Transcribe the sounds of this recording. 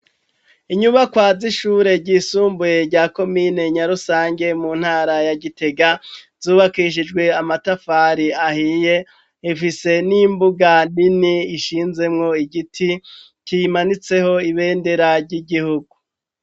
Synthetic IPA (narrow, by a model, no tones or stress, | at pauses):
iɲuβakwaːziʃuːɾe̞ɾɟiːsuːmbuje̞ɾɟaːko̞miːne̞ɲaɾusaːŋɡe̞mun̥haːɾajaɡite̞ɡa | z̥uːβakiʃ̬id͡ʒɡwe̞amatafaːɾiahije̞ | ifise̞nimbuɡaniniːʃiːnze̞mŋo̞iɡitʰi | cimanit͡se̞ho̞iβe̞ːnde̞ɾaɾɟiɡihuɡu